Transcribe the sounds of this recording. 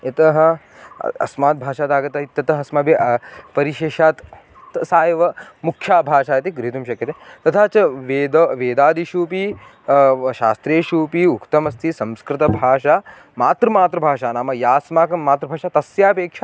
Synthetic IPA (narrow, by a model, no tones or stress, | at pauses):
et̪ɐɦɐ̆ | ɐ̰smaːt̪̚bʱaːʃaːt̪aːɡɐt̪ɐɦit̪ːɐt̪ɐɦɐsmaːbepɐɾiʃeːʃaːt̪ | tsaːjɐʋɐmukʰjaːbʱaːʃaːjɐt̪iɡɾiɦit̪umʃɐkjɐt̪et̪ɐt̪ʰaːt͡ʃɐʋeːd̪ɐʋeːd̪aːd̪iʃuːpi | ʃaːst̪ɾeːʃuːpiukt̪ɐmɐst̪ʰisɐmskɾɪt̪ɐbʱaːʃaː | maːt̪ɾɐmaːt̪ɾɐbʱaːʃaːnaːmɐjaːsmaːkɐmaːt̪ɾɐbʱaːʃaːt̪ɐsjaːpeːkʂɐ